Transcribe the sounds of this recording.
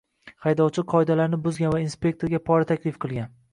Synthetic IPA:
χajd̪ɒwt͡ʃʰɪqʰɒɪd̪alaɾnɪbʊzɡʲanvainspʲe̞k̚ʲt̪ʰoɾɡʲapʰɒɾat̪ʰakʲlɪfqʰɨlˠɡʲan

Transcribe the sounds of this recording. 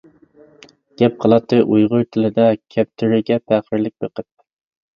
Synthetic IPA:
ɡ̥ʲɛp̚qʰəlˠɑt̪ːɨʔujʁʊɾt̪ʰɪlɪd̪ɛkʲʰɛp̚t̪ʰyɾɪɡʲɛpʰæχɪɾlɪk̚ʲbeqʰəp̚

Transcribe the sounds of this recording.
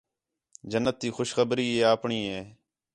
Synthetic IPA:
d͡ʒənːət̪̚ːiːxʊʃxəbɾiːeːaːpɳiːɦeː

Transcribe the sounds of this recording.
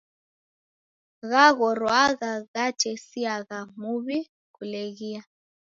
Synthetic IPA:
ɣaɣɔɾwaɣaɣat͡ʃɛsiaɣamuβi | ɣuleɣia

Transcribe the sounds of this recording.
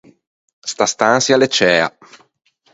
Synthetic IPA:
st̪ast̪ansjalet͡ʃːɛːa̰

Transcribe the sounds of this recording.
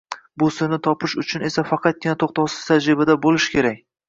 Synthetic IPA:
bʊsɪɾnɪt̪ʰɒpʰɪʃʊt͡ʃʰʊne̞safɑqʰɑt̪̚ɡʲɪnat̪ʰoχt̪ʰɒwsɪ̥z̥t̪ʰad͡ʒɾɪbad̪abolɪʃkʲʰe̞ɾak̚ʲ

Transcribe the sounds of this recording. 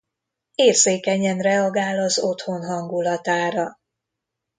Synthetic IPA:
eːrzeːkɛɲɛnrɛɒɡaːlɒzo̞t̪ho̞nɦɒŋɡulɒt̪aːɾɒ

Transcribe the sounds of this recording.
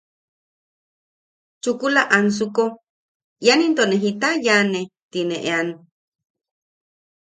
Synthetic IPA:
t͡ʃukulaʔans̬uko | janint̪oneɦit̪ajanet̪ineʔḛan

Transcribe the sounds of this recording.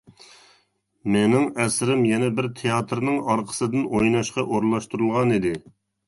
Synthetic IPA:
menɪŋɛsɾɪmjɛnɛbɪɾt̪ʰejɑt̪ʰɾnɨŋɑɾqʰə̥sɨd̪ɨnʔojnɑʃqɑʔoɾlˠɑʃt̪uɾulˠʁɑnid̪ɪ

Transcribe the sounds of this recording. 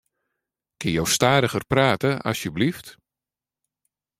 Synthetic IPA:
kɪnjowstaːdəɣərpraːtəʔɑ̰sjəblift

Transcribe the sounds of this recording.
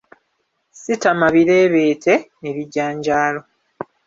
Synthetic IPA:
sitamaβiɾe̞ːβe̞ːtʰe̞neβiɟːaːɲɟaːlo̞

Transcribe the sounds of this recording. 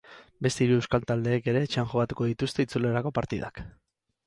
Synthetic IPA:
be̞st̪eiɾuewskalt̪ald̪e̞ːke̞ɾe̞ːt͡ʃeaŋʝokat̪uko̞ðit̪ust̪e̞it͡suleɾako̞paɾt̪iða̰k

